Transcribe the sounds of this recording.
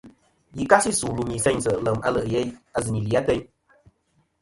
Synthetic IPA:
ji˨ka˦si˦su˨lu˨mi˨sɛ˧˦ɲsə˨lə˨ma̰˧˦lə˨ʔjɛ˦ja˧zɨ˨ni˨li˨a˦tɛ˦ɲ

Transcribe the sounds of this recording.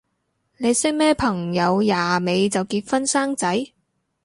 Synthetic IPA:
ne˨˧jsɪ˥k̚mɛː˥pʰɐ˨˩ŋjɐ˨˧wjaː˨˩me˨˧jt͡sɐ˨wkiː˧t̚fɐ˥nsaː˥ŋt͡sɐ˨˥j

